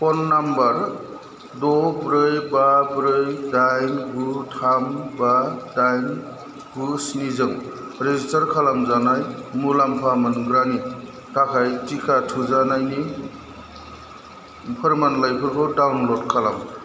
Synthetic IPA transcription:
pɔnːambaɾ | dɔbɾɯjbabɾɯjdajnɡutʰambadajn | ɡusnizɯŋ | ɾezistaɾkʰalamzanajmulampʰamɯnɡɾani | kakʰajtikʰatʰuzanajni | pʰɯɾmanlajpʰɯɾkʰɔdawnlodkʰala̰m

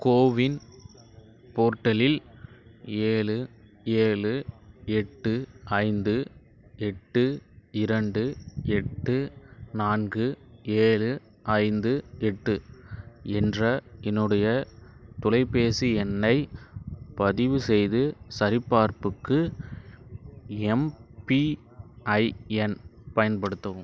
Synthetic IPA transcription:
koːʋɪn | poːɾʈːɐlɪl | eːɭɯ | eːɭɯɛʈːɯʔɐɪnd̪ɯ | ɛʈːɯɪɾɐɳɖɯɛʈːɯnaːnɡɯeːɭɯ | ʔɐɪnd̪ɯɛʈːɯ | ɛndrɐɛnːɯɽɐjɐt̪ʊlɐɪpeːsiɛnːɐɪ | pɐðɪʋɯsɛjðɯsɐɾɪpːaːɾpɯkːɯ | ɛmpi | ɐɪɛnpɐjɐnpɐɽɯt̪ːɐʋɯm

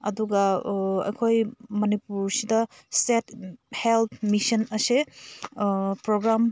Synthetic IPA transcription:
ɐ̰duɡɐɐ̰jkʰojmɐnipuɾsidɐ | sethelt̪ʰmisɐnɐse | pɾoɡɾam

